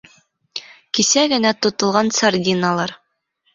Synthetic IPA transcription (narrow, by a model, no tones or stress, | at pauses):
kisæɡɘ̆næt̪ŏt̪ŏlˠʁɑnsardʲinalˠɑɾ